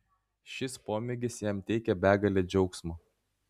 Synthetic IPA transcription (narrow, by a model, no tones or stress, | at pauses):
ʃʲɪspoːmʲɪɡʲɪsjɛmt̪ʲɛɪkʲɛbʲæːɡɐlʲeːd͡ʒʲɛʊksmo